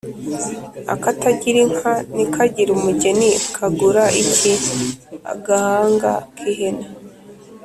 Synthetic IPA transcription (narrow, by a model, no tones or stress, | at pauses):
a̰kataɟiɾiŋ̥hanikʰaɟiɾumuɟenikʰaɡuɾaʔicia̰ɡahaːŋɡa̰kʰihena